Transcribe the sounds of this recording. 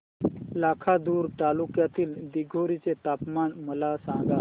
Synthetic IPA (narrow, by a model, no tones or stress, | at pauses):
lakʰad̪uːɾt̪alukjat̪iːld̪iɡʱoɾit͡set̪apmanməlasãŋɡa